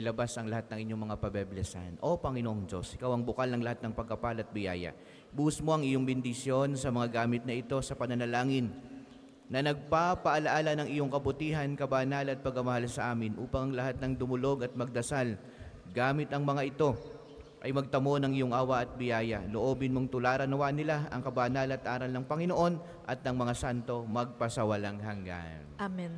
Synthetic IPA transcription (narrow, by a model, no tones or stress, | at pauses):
ɪlɐbasɐŋlɐhat̪̚nɐŋʔɪɲo̞ŋmɐŋapɐbɛblɛsɐ̰nʔo̞pɐŋɪnoʔoŋd͡ʒo̞̰sʔɪkawɐŋbʊkalnɐŋlɐhat̪̚nɐŋpɐɡ̚kɐpalɐt̪̚bɪja̰ːjɐ̰ | buʊsmo̞ʔɐŋɪjoŋbɪnd̪ɪsjo̞nsɐmɐŋaɡaːmɪt̪̚nɐʔɪt̪o̞sɐpɐnɐnɐlaːŋɪnː | ɐnɐɡ̚papɐʔɐlɐʔaːlɐnɐŋʔɪjoŋkɐbʊt̪iːɦɐnkɐbanalɐt̪̚pɐɡɐmɐhalsɐʔaːmɪnʔṵːpɐŋɐŋlɐhat̪̚nɐŋd̪ʊmʊlo̞ɡɐt̪̚mɐɡ̚d̪ɐsal | ɡaːmɪt̪ɐŋmɐŋaʔɪt̪o̞ | ʔɐjmɐɡ̚t̪ɐmo̞nɐŋɪjoŋʔaːwɐʔɐt̪̚bɪjaːjɐloʔo̞ːbɪnmoŋt̪ʊlaːɾɐnɐwanɪlaʔɐŋkɐbaːnalɐt̪ʔaːɾɐlnɐŋpɐŋɪno̞ʔo̞n | ʔɐt̪̚nɐŋmɐŋasant̪o̞mɐɡ̚pɐsɐwɐlaŋhɐŋɡa̰nam